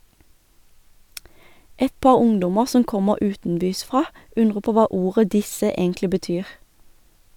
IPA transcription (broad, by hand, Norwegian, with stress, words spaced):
ˈɛt ˈpɑːʁ ˈʊŋdʊmə ˈsɔm ˈkɔməʁ ˈʉːtn̩ˌbyːsˌfʁɑː ˈʉnʁə ˈpoː ˈʋɑː ˈuːʁə ˈdɪsə ˈeːŋklɪ bəˈtyːʁ